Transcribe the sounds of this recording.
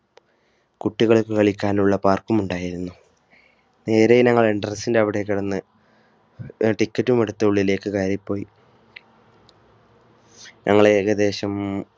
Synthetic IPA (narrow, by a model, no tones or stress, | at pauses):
kuʈːiɣɐɭukːɨkɐɭikʲːaːnuɭːɐpaːrkumuɳɖaːjiɾunːu | ne̞ːɾejnɐŋːɐɭiɳɖɐrɐsːindeɐʋiɽe̞k̬ːiɽɐnːɨ | ʈikːɐtːumeɽut̪ːɐuɭːile̞ːkːɨkaːɾipːo̞ːji | ɲʔɐŋːɐɭeɣɐd̪e̞ːɕɐm